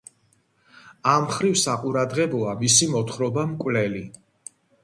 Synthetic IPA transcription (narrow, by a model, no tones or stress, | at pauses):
amχɾivsaqʼuɾad̪ʁɛbɔamisimɔt̪ʰχɾɔbamkʼwvlɛli